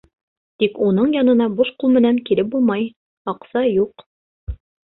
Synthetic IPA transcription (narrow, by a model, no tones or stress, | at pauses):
t̪ikunɤɴjɑnɤ̆nɑbuʃqulˠmɘ̆næŋkilɘp̚bulˠmɑj | ɑqsɑjuq